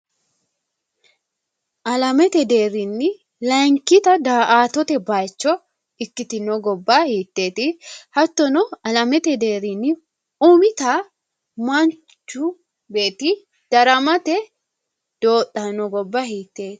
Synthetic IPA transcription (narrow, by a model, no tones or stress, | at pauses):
ʔɐlɐmɛt̪ɛd̪e̞ːɾɪnːɪ | lɐjŋkɪt̪ɐd̪aːʔaːt̪ɔt̪ɛbaːjt͡ʃːɔ | ɪkːɪt̪ɪnɔɡɔbːaːhiːt̪ːe̞ːt̪ɪhɐt̪ːɔnɔɐlɐmɛt̪ɛd̪e̞ːɾɪnːɪ | umɪt̪ɐ | mɐnt͡ʃːʊ | be̞ːt̪ɪ | d̪̥ɐɾɐmɐt̪ɛ | d̪̥oːt̪ʼːɐnɔɡɔbːahiːt̪ːe̞ːt̪